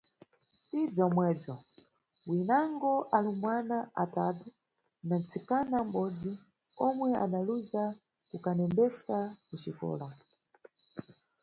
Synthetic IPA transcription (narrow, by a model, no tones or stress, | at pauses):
sib͡ʐɔmwɛb͡ʐɔ | winaŋɡɔʔalumwanaʔatatu | nant͡sikanam̩ɓɔd͡zi | ɔmwɛa̰ɗaluza | kukanɛmbɛsakut͡ʃikɔ̰ːla